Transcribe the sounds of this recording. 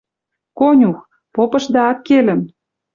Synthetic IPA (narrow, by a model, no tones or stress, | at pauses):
konʲux | popɤ̆ʃd̪ɑɑkːelə̆m